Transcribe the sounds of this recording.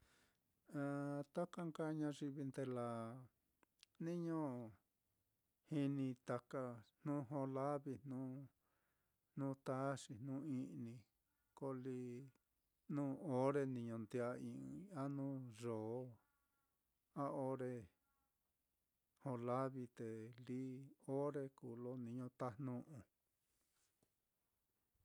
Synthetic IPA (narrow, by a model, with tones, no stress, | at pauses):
a˧˨t̪a˦ka˦ŋka˦ɲã˧ʐi˧βi˧nd̪e˧la˨ | nĩ˦ɲõ˦ | hi˧nĩ˧t̪a˧ka˧nnũː˦ɦõ˧la˦βi˧nnũː˦ | nũː˦t̪a˦ʂi˧nũ˦ĩ˧˦ʔnĩ˧ | ko˧li˧˦ | nũː˦o˦ɾe˧nĩ˧ɲõ˧nd̪i˧a˧ĩ˧a˦nũː˦ʐo˨˦ | a˦o˦ɾe˧ | hõ˧la˦βi˧t̪e˨li˦o˦ɾe˧ku˨lo˦nĩ˧ɲõ˧t̪a˦n̥nũ˦ʔũ˧